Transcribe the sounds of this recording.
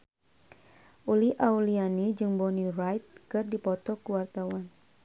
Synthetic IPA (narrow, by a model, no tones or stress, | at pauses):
ʔuliʔaulianid͡ʒɨŋbɔnirajt̪̚kɨrdipɔt̪ɔkuwart̪awan